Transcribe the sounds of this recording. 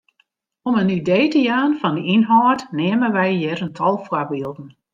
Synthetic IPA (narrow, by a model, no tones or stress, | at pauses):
ɔmənideːtəjaːnfɔndəinɦɔːtneːmənʋɛjjɛrəntʰɔlˠfwakbiəlˠdn̩